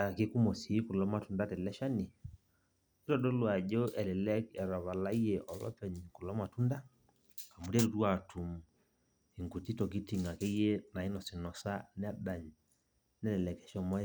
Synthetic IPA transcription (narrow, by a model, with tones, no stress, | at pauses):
a˨ke˦ku˦mo˨si˨˦ku˨lɔ˦ma˨tu˨nda˦tɛ˨lɛ˦ʃa˦ni˨˦ | ɾɔ˦˨dɔ˦lwa˨d͡ʒo˦ʔɛ˨lɛ˨lɛ˦kɛ˨ɾɔ˨βa˨la˦i˦je˨ʔɔ˨lɔ̰˦pɛ˨ɲku˨lɔ˦ma˨tu˦nda˦ | ka˨mu˨ɾe˦ɾu˨twa˨tʰu˨m | i˨ŋɡu˨ti˦tɔ˨k̬i˦ti˨ŋa˨ke˦je˦na˨i˦nɔ˨si˨nɔ˨sa˦nɛ˦ba˨ɲ | nɛ˦lɛ˨lɛ˨kɛ˨ʃɔ˦mɔ˦j